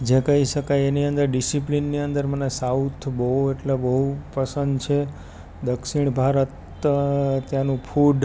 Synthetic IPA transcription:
d͡ʒekəɦiʃəkajeniənd̪əɾɖisiplinːiənd̪əɾmənesaut̪ʰbəɦueʈlebəɦupəsənd̪t͡ʃʰe | d̪əkʃiɳ̃bʱaɾət̪ | t̪janũpʰuɖ

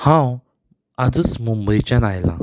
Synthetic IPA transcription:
hãw | ad͡zət͡smumbəjt͡ɕjanajla̰

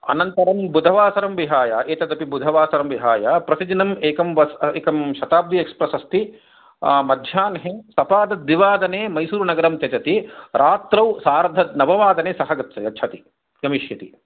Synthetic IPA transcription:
ɐ̰nɐnt̪ɐɾɐmbud̪ʱɐʋaːsɐɾɐmʋiɦaːjaʔeːt̪ɐd̪ɐpibud̪ʱɐʋaːsɐɾɐmʋiɦaːjapɾɐsid͡ʒinɐmeːkɐmʋɐseːkɐmʃɐt̪aːb̚d̪ʱiekspɾɐsɐst̪i | mɐd̪ʱjaːnɦesɐpaːd̪ɐd̪ʋiʋaːd̪ɐneːmɐjsuːɾunɐɡɐɾɐmt͡ʃ̪ɐt͡ʃɐt̪iɾʔaːt̪ɾɐwsaːɾɐd̪ʱɐnɐʋɐʋaːd̪ɐneːsɐɦɐɡɐt̪sɐjɐtːt͡ʃʰɐt̪i | ɡɐmiʃjɐt̪i

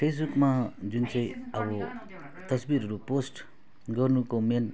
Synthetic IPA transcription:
pʰes̬bukmad͡zunt͡sʌ̃ĩʌbʌ | t̪ʌsbiɾɦʌɾuposʈ | ɡʌrnukomen

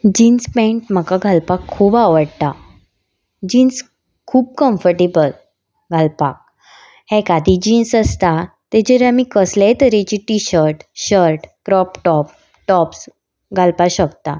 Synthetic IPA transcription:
d͡ʑinspɛ̃ʈm̤əkaɡʱalpakʰːuːbaʋəɽt̪a | d͡ʑins | kʰuːb̚kəmfəɾʈebəl | ɡʱalpa̰k̚ | hɛ̃kad̪ʱid͡ʑinsəst̪a | t̪ed͡ʑəɾamikəslɛt̪əɾet͡ɕiʈiɕəɾʈɕəɾʈkɾɔpʈɔp̚ | ʈɔps | ɡʱalpaɕəkt̪a̰

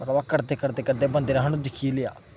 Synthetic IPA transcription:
əɾʋaːkəɾd̪eːkəɾd̪eːkəɾd̪eːbənd̪eːɾəɦənũd̪ɪkʰːiːlɪja̰ː

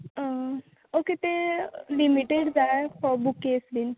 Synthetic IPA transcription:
ə̃ | oket̪elimiʈeɽd͡zajfɔbukːeslin

